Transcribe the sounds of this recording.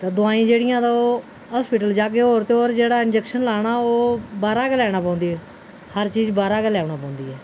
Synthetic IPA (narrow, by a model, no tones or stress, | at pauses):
t̪aːd̪ʊaːĩːd͡ʒeːɽɪjãːt̪aoː | ɦaːspɪʈəld͡ʒaːkeːoːɾt̪eoːɾd͡ʒeːɽaːɪnd͡ʒɛːkʃənlaːɽ̃aːoːbaːɾaːkəlɛːɽ̃aːpãːnd̪iːɛː | həɾt͡ʃiːd͡ʒbaːɾaːkəlɛːɳaːpãːʊ̃nd̪iːɛː